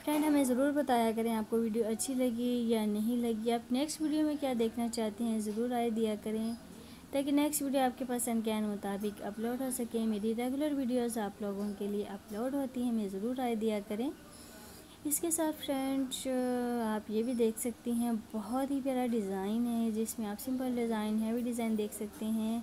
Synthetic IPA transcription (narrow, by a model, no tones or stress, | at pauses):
fɾɛ̃ːɳɖɦɐmẽzɐɾuːɾbɐt̪aːjakɐɾẽaːp̚koʋiːɖijoɐtːʃʰilɐɡijanɐɦĩlɐɡiaːpnɛːksʈʋiːɖijomẽkjaːd̪eːkʰnat͡ʃaːɦt̪iɦɛ̃zɐɾuːɾaːed̪ijakɐɾẽ | t̪aːk̬inɛksʈʋiːɖijoaːp̚kepaːsɐ̃nd̪kɛːnmʊt̪aːbɪkɐ̰ploːɖɦosɐkẽmeːɾiɾeːɡʊləɾʋiːɖijoːzaːploːɡõkelieʔɐploːɖɦoːt̪iɦɛ̃mezɐɾuːɾaːed̪ijakɐɾẽː | ɪskesaːt̪fɾɛ̃ɳʈt͡ʃaːpjebʱid̪eːkʰsɐkt̪iɦɛ̃bɔɦt̪ɦipeɾaɖɪzaːɪnɦɛ̃d͡ʒɪsmẽaːpsɪ̃mpəlɖɪzaːɪnɦɛbiɖɪzaːɪnd̪eːkʰsɐkt̪eɦɛ̃ː